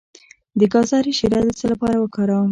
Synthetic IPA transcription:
d̪əkɑsɑɾiʃiɾɑd̪ət͡səlapɑɾawəkɑɾawm

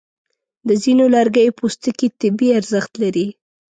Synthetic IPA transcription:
d̪əzinolaɾɡəjpost̪əkit̪ɪbiaɾzəxt̪laɾi

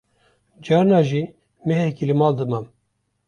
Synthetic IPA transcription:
d͡ʒɑɾnɑːʒiː | mɛɦekilɨmɑːld̪ɨmam

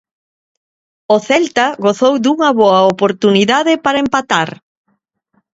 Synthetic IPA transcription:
ʊθɛlt̪ɐɣoθowd̪uŋɐβoɐopoɾt̪uniðaðɪpaɾɐempat̪aɾ

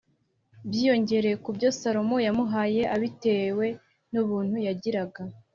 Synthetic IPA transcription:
bjiːjo̞ɲɟe̞ɾe̞kubɟo̞saɾo̞mojamuɦaːje̞ʔaβite̞ːwe̞ | nuβuːn̥hujaɟiɾaɡa

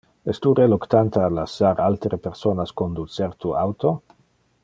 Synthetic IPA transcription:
est̪uɾelokt̪ant̪alasaɾʔalt̪ɾepeɾsonaskond̪ut͡sseɾt̪uawt̪o

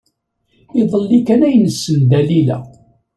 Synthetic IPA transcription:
iðˤəlːikænæjnəsːənd̪ælilæ̰

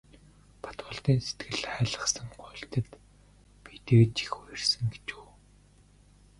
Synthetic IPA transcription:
pʰḁt̪wʊːɮt̪iːnse̥t̪ɡɘ̆ɮχæːɮə̆χsə̆ŋɢʊɬt̪ə̆t̪ | pit̪eːt͡ɕi̥xuːersɘ̆ŋɡet͡ɕuː

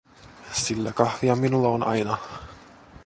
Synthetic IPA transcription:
silːækɑhʋiɑminulːɑonɑ̰jnɑ

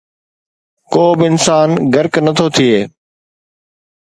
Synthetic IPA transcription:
koːbɪɪnsaːnɡɐɾknɐt̪ʰoːt̪ʰieː

